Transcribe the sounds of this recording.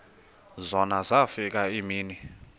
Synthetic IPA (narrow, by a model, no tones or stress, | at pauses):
zɔnazafik̬ʼaimiːni